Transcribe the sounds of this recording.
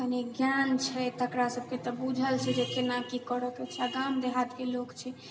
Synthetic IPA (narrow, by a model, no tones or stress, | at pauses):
kəneɡjant͡ʃʰɛt̪əkɾasəb̚ʱket̪ɔbud͡ʒʱəlt͡ʃʰɛd͡ʒekenakikəɽək̪et͡ʃʰɛaɡamd̪eɦat̪kelokt͡ʃʰɛ